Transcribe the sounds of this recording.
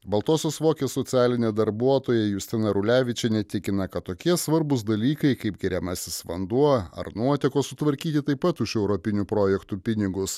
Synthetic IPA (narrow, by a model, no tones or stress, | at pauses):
bɐlˠt̪oːsʲoːsʋoːkʲeːsɔt̪sʲæːlʲɪnʲeːd̪ɐɾbuɔt̪oːjɛjʊsʲt̪ʲɪnɐɾʊlʲæːʋʲɪt͡ʃʲɛnʲɛt̪ʲɪkʲɪnɐkɐt̪ːoːkʲiɛsʋɐɾbʊsd̪ɐlʲiːkɐɪkɐɪp̚ɡʲɛɾʲɛmɑsʲɪsʋɐnd̪uɔɐ̰ɾnuɔt̪ʲɛkoːsʊt̪ʋɐɾʲkʲiːt̪ʲɪt̪ɐɪppːɐt̪ʊʃɛʊɾɔpʲɪnʲupɾoːjɛkt̪uːpʲɪnʲɪɡʊs